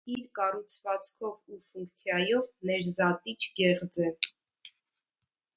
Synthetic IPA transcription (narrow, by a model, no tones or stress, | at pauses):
iɾkɑrut͡sʰvɑt͡skʰɔvufuŋkt͡sʰjɑjɔvnɛɾzɑt̪it͡ʃʰɡɛʁd͡zɛ